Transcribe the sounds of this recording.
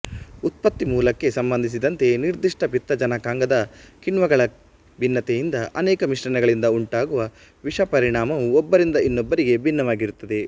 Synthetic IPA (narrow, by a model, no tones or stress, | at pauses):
ut̪̚pɐt̪ːimuːlɐkːe̞sɐmbɐnd̪ʱis̬id̪ɐnt̪e̞niɾd̪iʂʈɐpit̪ːɐd͡ʒɐnɐkaːŋɡɐd̪ɐkiɳʋɐɡɐɭɐ | bʱinːɐt̪ɛjind̪ɐʔɐnɛːkɐmiʂɾɐnɛɡɐɭind̪ɐuɳʈaːɡuʋɐ | ʋiʂɐpɐɾiɳaːmɐʋuɔbːɐɾind̪ɐinːobːɐɾiɡe̞bʱinːɐʋaːɡiɾut̪ːɐd̪e̞